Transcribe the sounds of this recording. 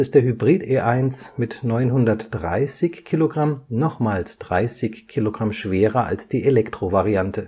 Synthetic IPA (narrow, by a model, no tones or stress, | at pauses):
ɪst̚d̥eːɐhybʁiːteːʔaɪnsmɪtnɔʏnɦʊndɐtd̥ʁa̰ɪsɪçkʰːiːloɡʁamnɔχmaːlsd̥ʁaɪsɪçkʰiːloɡʁamʃv̥eːʁɐʔa̰lsd̥iːʔelɛktʁ̥ovaʁiantʰə